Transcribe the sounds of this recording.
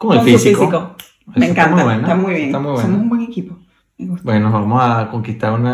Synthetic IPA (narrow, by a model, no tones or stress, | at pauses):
koŋelfisiikoiko | emẽŋkanmmuiaβwent̪amujβjeŋt̪amujβweomosumbweŋekipo | meɣupwenozβamosakoŋkist̪aɾuna